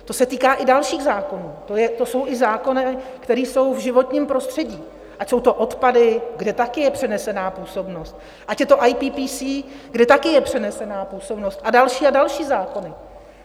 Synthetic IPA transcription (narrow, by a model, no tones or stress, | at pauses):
t̪o̞sɛt̪iːkaːʔɪdalʃiːɣzaːko̞nuːt̪ojɛt̪o̞so̞wʔɪzaːko̞nɪkt̪ɛɾiːso̞wvʒɪvo̞t̪ɲiːmpɾo̞st̪r̥ɛɟiː | ʔacsowt̪o̞ʔo̞t̪padɪɡdɛt̪akɪjɛpr̝̥ɛnɛsɛnaːpuːso̞bno̞st̪̚ | ʔacjɛt̪o̞ʔajpiːpiːsiː | ɡdɛt̪akɪjɛpr̥ɛnɛsɛnaːpuːso̞bno̞st̪ʔadalʃiːadalʃiːzaːko̞nɪ